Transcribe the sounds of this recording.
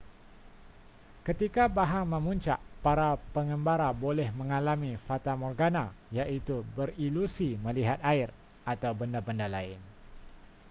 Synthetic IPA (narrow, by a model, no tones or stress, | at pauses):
kət̪ikabaɦaŋməmuɲt͡ʃa̰ʔpaɾapəŋəmbaɾabolɛhməŋalamifat̪amɔrɡanajaʔit̪ubərilusiməliɦat̪̚aɪr | at̪awbəndabəndalaɪn